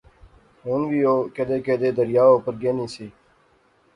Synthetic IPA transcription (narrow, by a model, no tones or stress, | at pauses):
ɦuːnʋiːoːkəd̪eːkeːd̪eːd̪əɾɪjaːoːpəɾɡeːnĩːsiː